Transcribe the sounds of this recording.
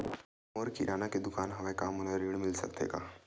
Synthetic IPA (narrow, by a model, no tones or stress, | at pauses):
moːɾkiɾʔaːnaked̪ʊkaːnɦɐmẽkaːmʊneɾiːɽmɪlsɐ̰kt̪ḛːɡaː